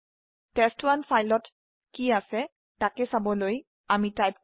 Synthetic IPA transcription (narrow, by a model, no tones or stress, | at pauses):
tɛstwanfʰajlɔt | kiasɛ | takɛsabɔloj | amitajp̚